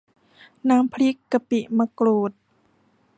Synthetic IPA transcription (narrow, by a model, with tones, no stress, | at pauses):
naː˧˥mpʰli˦˥kːa˧pi˨ʔma˧kloː˨˩t̪̚